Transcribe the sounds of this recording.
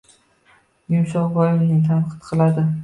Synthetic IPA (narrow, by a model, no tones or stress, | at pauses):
jʊmsɒʁbɒjɪmnɪŋt̪ʰanqʰɨ̥t̪qʰɨlˠad̪ɪ